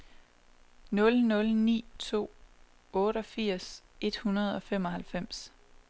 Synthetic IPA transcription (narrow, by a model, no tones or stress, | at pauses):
nɔ̽lnɔ̽lnḭːt͡sʰo̝̰ː | ɔ̽ːɾ̥əɒ̽fiɐ̰se̝d̥hunɐð̞ˠɒ̽fem̰ɒ̽ɦælfem̰s